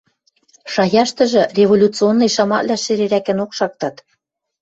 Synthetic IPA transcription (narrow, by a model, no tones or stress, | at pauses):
ʃɑjɑʃt̪ɤ̆ʒɤ̆rʲevolʲut͡sɨonːɤ̆jʃɑmɑ̰ʔlʲæʃɘ̆ɾeɾækɘ̆nokʃɑk̚t̪ɑt̪